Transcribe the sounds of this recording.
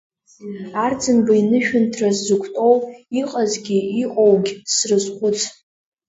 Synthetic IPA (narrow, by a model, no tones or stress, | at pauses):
ard͡zɨnbainɨʃᶣʊntʰrazzukʷʰtʼowiqʼazɡʲiiqʼowɡʲsrɨzχʷʊt͡sʰ